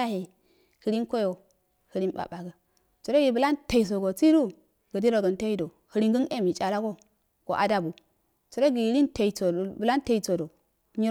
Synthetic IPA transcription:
a˦he˨ | hə˦ɾi˦nko˦jo˨ | hə˨ɾi˦nɓa̰˨ɓa˨ɡa˨ | t͡su˨ɾo˦ɡi˨bə˨la˦nta˨i˨s̬o˨ɡo˨t͡si˦ɾu˦ | ɡ̥ə˨di˦ɾo˨ɡə˨nta˦ji˦do˨ | hə˨ɾi˦ŋɡə˦n˦e˦mi˨t͡ʃa˨la˦ɡo˦ | ɡ̥o˨ʔa̰˦da˨bu˨ | t͡su˨ɾo˦ɡi˨˦ɾi˦nta˨i˨t͡so˨bə˨la˦nta˨i˨t͡so˨do˨ | ɲi˦

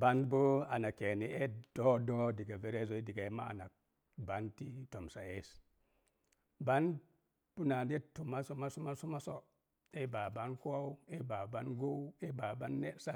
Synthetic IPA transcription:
ba˦nbo˦a˨na˨ke˨ni˨ʔe˦do˦do˦di˨ɡa˨ve˨ɾe˦zo˨i˦di˨ɡa˨˦ma̰˦a̰˨na̰˨k̚ | ba˦nti˦to˨msa˨e˦s | ba˦n | pu˦na˨ne˦tːu˨ma˦su˦ma˦su˦ma˦su˦ma˦so˦˨ | e˦ba˨ba˦nku˦a˦u˦e˦ba˨ba˦nɡo˦e˦ba˨ba˦nːe˦sa˦

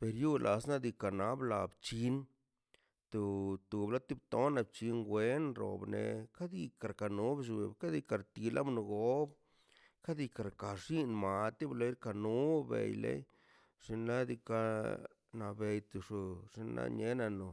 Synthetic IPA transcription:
pe˨ɾju˦lʔa˨sna˦d̪i˧ka˨na˦bla˨bt͡ʃi˧˦n | t̪u˨t̪u˨bla˦t̪i˦bt̪o˦na˧b̚t͡ʃi˧nɡwe˦nɾo̰˨bnḛ˧ka˦d̪i˧ka˨ɾka˨nu˦bʃ̬u˧e˨bka˦d̪i˧ka˧ɾt̪i˧la̰˦bno˧ɡo˨˦b | ka˦d̪i˧ka˨ɾka˨ʂi˦nma˨t̪i˦blo˧˦i˦ɾka˧nu˦bḛ˨jlḛ˦j | ʂi˧nla˦d̪i˧ka˧ | na˨be˧jt̪u˧ʂu˧ʐ̥i˧nla̰˦ɲe˧˦na˧no˨

